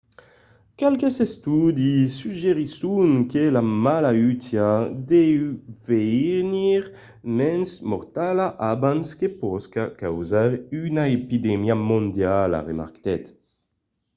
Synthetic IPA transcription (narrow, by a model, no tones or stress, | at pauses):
kalkesest̪ud̪isːyʒeʁisuŋkelamalayt̪jad̪ɛwveniʁ | mɛnsmɔɾt̪alaʔabanskepɔskakawzaʁynaepid̪emiamond̪jala̰ʁema̰ɾkt̪ɛt̪